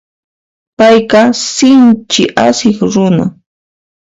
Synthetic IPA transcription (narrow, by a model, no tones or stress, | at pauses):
pajqɑsɪnt͡ʃɪʔasɪχɾʊna̰